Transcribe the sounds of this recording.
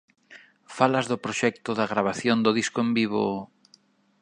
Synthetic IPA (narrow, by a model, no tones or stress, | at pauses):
falazðʊpɾoʃɛk̚t̪ʊðaɣɾaβ̞aθjond̪ʊðiskʊembiβo̰